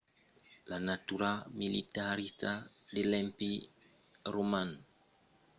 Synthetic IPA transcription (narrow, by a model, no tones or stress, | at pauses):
lanat̪uɾamilit̪aɾist̪adelɛ̃mpi | romãn